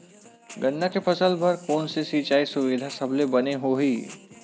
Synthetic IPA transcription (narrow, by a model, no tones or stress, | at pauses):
ɡɐnːakepʰɐsəlbɐɾkoːnsesiːt͡ʃaːisʊʋɪd̪ʱasɐblebɐneɦoɦiː